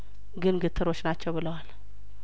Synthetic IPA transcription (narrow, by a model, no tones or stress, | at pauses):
ɡɨnɡɨt̪ʰːɨɾo̞t͡ʃːnat͡ʃːɛwbɨləwal